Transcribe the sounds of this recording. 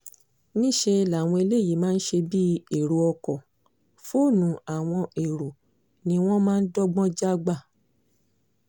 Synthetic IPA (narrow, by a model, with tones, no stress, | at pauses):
nĩ˦ʃe˧la˨w̃ɔ̃˧e˧le˦˨ji˨˦mãː˦n̩˦ʃe˧bi˦e˨ɾo˨˦ɔ˧kɔ˨ | fo˦˨nũ˨a˨w̃ɔ̃˧e˨ɾo˨ | nĩ˧w̃ɔ̃˦mãː˦n̩˦dɔ˦ɡ͡bɔ̃˦d͡ʒa˦ɡ͡ba˦˨